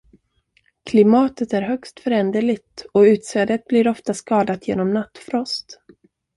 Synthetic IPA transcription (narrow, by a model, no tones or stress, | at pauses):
kʰlɪmɑːt̪ət̪æɾɦœkst̪fœɾɛnd̪əɭɪt̪ɔʉ̟ːt̪sɛːd̪ət̪̚blɪɾɔft̪askɑːd̪at̪jḛːnɔmnat̪ːfɾɔst̪